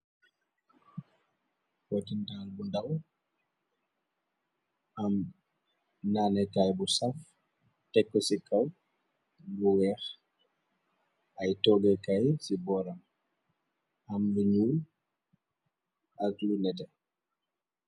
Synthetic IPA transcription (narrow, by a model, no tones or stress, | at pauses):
wɔtintalbundaw | ʔam | naːnɛkajbusaf | tɛkːɔsikaw | buwɛːx | ʔajtɔːɡɛkajsibɔːɾam | amluɲuːl | ʔaklunɛtɛ